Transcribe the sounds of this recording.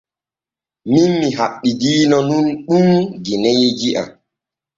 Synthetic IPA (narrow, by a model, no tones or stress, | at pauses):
minmiɦaɓːiɡinɔnunɗuŋɡinɛjeɡiʔa̰